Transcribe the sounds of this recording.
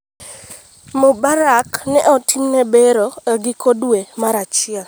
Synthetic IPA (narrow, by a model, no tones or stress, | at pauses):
mobaɾaknɛʔɔtʰimnɛbeɾoɛɡɪkodwemaɾat͡ʃɪa